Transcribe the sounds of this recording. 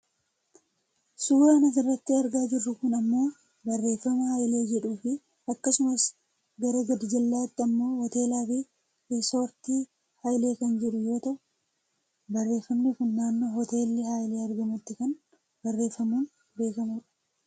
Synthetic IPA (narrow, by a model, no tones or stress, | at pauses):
suːɾaːnɐs̬ɪrːɐt̪ːɪɐɾɡaːd͡ʒɪrːʊkʊnɐmːo̞ː | bɐrːe̞ːfːɐmɐhaːjle̞ːd͡ʒɛᶑuːfɪ | ɐkːɐsʊmɐs | ɡɐɾɐɡɐd̪ɪd͡ʒɐlːaːt̪ːɪɐmːo̞ːhɔt̪e̞ːlaːfi | ɪsoːɾt̪iː | haːjle̞ːkɐnd͡ʒɪᶑʊjo̞ːt̪ɐʔʊ | bɐrːe̞ːfːɐmnɪkʊnːaːnːohɔt̪e̞ːlːɪhaːjleːɐɾɡɐmʊt̪ːɪkɐn | bɐrːe̞ːfːɐmuːn | be̞ːkɐmuᶑɐ̥